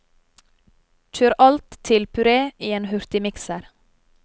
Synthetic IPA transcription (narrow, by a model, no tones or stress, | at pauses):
c͡çʰøːɾʔɑlt̪t̪ʰɪlpʰʉɾeːʔiːeːnhʉɾt̪ɪmɪksəɾ